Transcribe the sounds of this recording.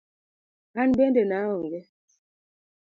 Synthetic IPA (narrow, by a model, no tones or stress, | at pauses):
anbɛndɛnawɔŋɡɛ